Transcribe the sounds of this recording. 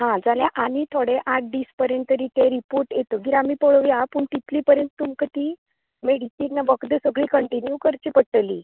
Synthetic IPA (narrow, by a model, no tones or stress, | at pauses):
ɦãd͡zaljãʔanit̪ʰoɽeʔaʈ̚ʰd̪iːspəɾjənt̪̚ːəɾit̪eɾipoɾʈjet̪əɡiɾamiːpəɭəʋjapuɳt̪it̪liːpəɾjənt̪t̪ːumkət̪iː | meɽisiːnːaʋəkd̪əsəɡɭiːkəɳʈinjukəɾt͡ɕiːpəʈːəlḭː